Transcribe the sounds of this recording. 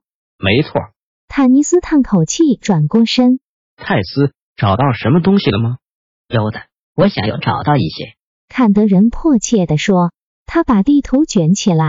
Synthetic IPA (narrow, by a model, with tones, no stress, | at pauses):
me˧˥ɪt͡sʰwɔ̰˥˩ | t̪ʰa˨˩ni˧˥sɹ̩˥t̪ʰa˥˩nkʰo˨˩ʊt͡ɕʰi˥˩ʈ͡ʂwa˨˩nkwɔ˥˧ʂə˥ŋ | t̪ʰa˥˩ɪsɹ̩˥ | ʈ͡ʂɑ˨˩ʊt̪ɑ˥˩ʊʂə˧˥mə˧t̪ʊ˥ŋɕi˨lə˩mɐ˩ | jo˨˩ʊd̪ə˧ | wɔ˧˥ɕjɑ̰˨˩ŋjo̰˧˥ʊʈ͡ʂɑ˨˩ʊt̪ɑ˥˧ʊḭ˥˩ɕjɛ̰˥ | kʰa˥˩nt̪ə˧˥ɻə˧˥npʰɔ˥˧t͡ɕʰjɛ˥˩d̪ə˩ʂwɔ˥ | t̪ʰa˥pa˨˩t̪i˥˩t̪ʰu˧˥ʊt͡ɕɥɛ˧˥nt͡ɕʰi˨˩la˧ɪ